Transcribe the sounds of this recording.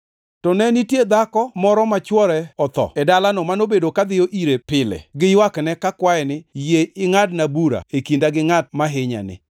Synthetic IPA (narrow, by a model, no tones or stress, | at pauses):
tɔnɛnitjed̪akɔmɔɾɔmat͡ʃwɔɾɛɔt̪ɔ̰ɛdalanɔmanobedokad̪ɪjɔʔiɾepɪlɛ̰ɡɪjwaknɛkakwaɛnɪjeɪŋadnabuɾa̰ekindaɡɪŋat̚maɦɪɲa̰nɪ̰